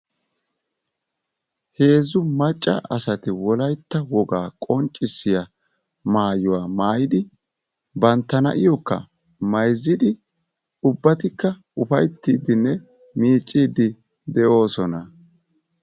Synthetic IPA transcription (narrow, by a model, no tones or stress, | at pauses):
he̞ːzʊmɐt͡ʃʼːɐ̰ʔɐsɐt̪ɪwɔlɐjt̪ːɐwɔɡaːkʼɔnt͡ʃʼːɪsːɪjɐ | maːjʊwaːmaːjɪd̪ɪ | bɐnt̪ːɐnɐ̰ʔɪjɔkːɐ̰ | mɐjzːɪd̪ɪ | ʊbːɐt̪ɪkːɐ | ʊfɐjt̪ːiːd̪ɪnːɛ | miːt͡ʃʼːiːd̪ɪ | d̪ɛʔo̞ːsɔnɐ